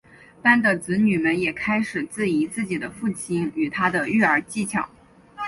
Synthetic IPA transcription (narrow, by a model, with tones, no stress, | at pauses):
t̪a˥nd̪ə˨t͡sɹ̩˧˥ny˨˩mə˧˥njɛ˨˩kʰa˥ɪʂɻ̩˨˩t͡sɹ̩˥˩i˧˥t͡sɹ̩˥˩t͡ɕi˨˩d̪ə˦fu˥˩t͡ɕʰi˥ny˨˩t̪ʰa˥d̪ə˧y˥˩ə˞˧˥t͡ɕi˥˩t͡ɕʰjɑ̰˨˩˦ŋ